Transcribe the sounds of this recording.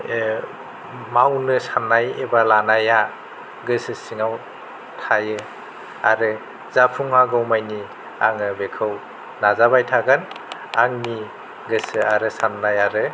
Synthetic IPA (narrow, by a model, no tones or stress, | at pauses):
mawnɯsanajebalanaja | ɡɯsɯsiŋaw | tʰajɯ | aɾɯ | zapʰuŋaɡɯwmajni | a̰ŋɯbekʰɯw | nazabajtʰaɡɯnaŋni | ɡɯsɯaɾɯsanːajaɾɯ